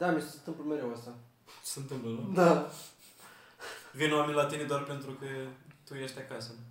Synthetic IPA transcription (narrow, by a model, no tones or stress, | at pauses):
d̪amʲesesent̪ɨmpləmeɾewəst̪ḁ | sent̪ɨmpləlod̪a | vinoamenʲlat̪ined̪oarpent̪ɾukət̪ujeʃʲt̪ʲakasə